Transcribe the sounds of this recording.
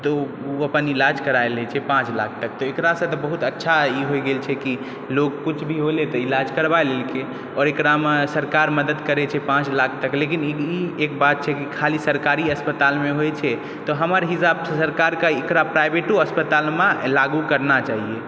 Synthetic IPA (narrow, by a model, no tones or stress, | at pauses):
t̪ɔ | uəpənilad͡ʒkəɾaelɛt͡ʃʰɛpãt͡ʃla̰kʰt̪ək̚t̪ɔekɾasə̃t̪ɔbəɦut̪ətːʃʰaiɦojɡelt͡ʃʰɛki | lokːut͡ʃʰbʱiɦolet̪ɔilad͡ʒkəɾbaelelke | ɔːɾekɾamesəɾkaɾməd̪əd̪kəɾɛt͡ʃʰɛpãt͡ʃlakʰt̪əklekiniekbat̪̚t͡ʃʰɛkikʰalisəɾkaɾiəspət̪almeɦojt͡ʃʰɛ | t̪ɔɦəməɾɦisabsəɾkaɾkaekɾapɾajbeʈoəspət̪almãlaɡukəɾnat͡ʃaɦie